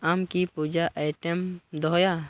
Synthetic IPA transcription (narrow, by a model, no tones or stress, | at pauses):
amkipuːd͡ʒaʔajʈəmd̪ɔːja